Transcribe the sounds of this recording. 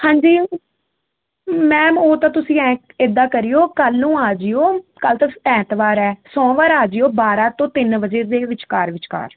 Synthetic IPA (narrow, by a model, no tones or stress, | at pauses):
hãːɲd͡ʒiː | mɛ̃ːoːt̪ãːt̪ʊsĩːɛ̃ːɪd̪ːaːkəɾijoːkəlːũːaːd͡ʒɪjoːkəlt̪əɛ̃ːt̪ʋaːɾɛːsɔ̃ːʋaːɾaːd͡ʒjoːbaːɾãːt̪õːt̪ɪnʋəd͡ʒeːd̪eːʋɪt͡ʃkaːɾʋɪt͡ʃka̰ːɾ